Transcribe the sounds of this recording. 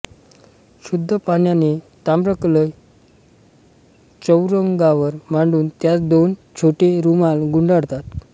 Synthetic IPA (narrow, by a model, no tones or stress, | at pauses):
ɕud̪ʱːəpaɳjane | t̪amɾəkləj | t͡səwɾəŋɡaʋəɾmaɳɖuːnt̪jat͡sd̪ont͡ɕʰoʈeɾumalɡuɳɖaɽt̪at̪